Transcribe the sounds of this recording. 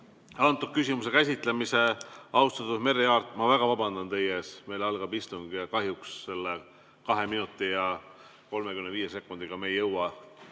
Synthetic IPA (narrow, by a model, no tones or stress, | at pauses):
ɑnt̪ːˑukysʲimuse̞kæsʲit̪ˑle̞mise̞ɑwst̪ɑt̪ːusme̞rːiɑːrt̪ːˑmɑvæɡ̥ɑvɑbɑnd̪̥ɑnt̪e̞jeːsme̞jlɑlɡ̥ɑbist̪uŋɡ̥ɑkɑɦjuksːe̞lːe | kɑɦe̞minut̪ːˑijɑ | ko̞lme̞kymneviːje̞se̞kːˑund̪̥iɡ̥ɑme̞jːɤwɑ